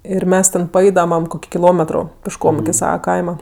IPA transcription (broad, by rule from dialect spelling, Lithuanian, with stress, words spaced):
ɪr ˈmʲɛs tʲɛn pɐˈɛɪdɐmɐm ˈkoːkʲɪ kʲɪˈlˠoːmʲɛtroː pʲɪʃˈkoːm ɪkʲɪ ˈsɑːʋɐ ˈkɐɪmɐ